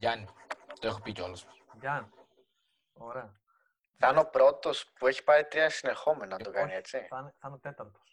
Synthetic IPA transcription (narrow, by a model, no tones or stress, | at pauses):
ʝɐnit̪oexopiceolos | ʝɐn | oɾeɐ | θɐno̞pɾo̞t̪o̞spue̞çi̥paɾit̪ɾiɐsine̞ɾxo̞me̞nonɐt̪o̞kanie̞t͡siɐnɐnot̪et̪ɐɾt̪o̥s